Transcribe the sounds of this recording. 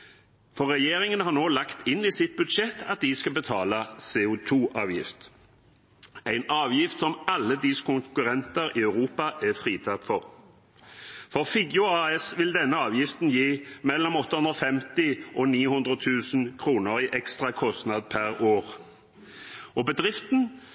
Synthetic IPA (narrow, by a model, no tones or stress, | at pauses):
fɔʁɛjeːʁɪŋənhɑʁnoːlɑkt̪ɪnːiːsɪt̪̚bʉd̪ʃɛt̪ːɑt̪̚d̪ɪskɑbət̪ʰɑːləsɛːʊt̪ʰuːʔɑːʋjɪ̰ft̪ | æɪnɑːʋjɪft̪sɔmɑlːəd̪ɪskʊŋkʉʁɛnt̪əɾɪœʉʁuːpɑʔɛfʁiːt̪ʰɑt̪fɔʁ | fɔʁfiɡjʊɑɛsʋɪld̪ɛnːəɑːʋjɪft̪n̩jiːmɛlːɔmɔt̪ːəhʉnd̪ʁɔfɛmt̪ɪʔɔniːhʉnd̪ʁət̪ʰʉːsən̩kʰʁuːnəʁiʔɛkst̪ʁɑkʰɔst̪nɑd̪̚pʰæʁoːʁ | ʔɔbəd̪ʁɪft̪n̩